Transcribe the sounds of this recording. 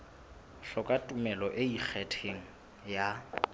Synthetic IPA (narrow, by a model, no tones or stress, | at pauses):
ɬɔkʼatʼumɛlɔʔeik͡xʰɛtʰeŋ̩ | ja